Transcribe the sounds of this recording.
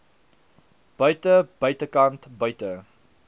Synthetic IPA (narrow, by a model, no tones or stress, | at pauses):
b̥œɥtəb̥œɥtəkɐntbœɥtə